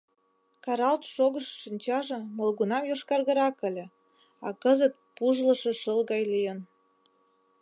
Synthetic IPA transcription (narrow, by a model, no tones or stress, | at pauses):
kɑɾɑlt̪ʃoɣəʃʃinʲt͡ɕɑʒɤ̆molɣunɑmjoʃkɑrɣə̆ɾɑkə̆lʲĕ | ɑkəzət̪̚puʒlə̆ʃĕʃəlɣɑjlijən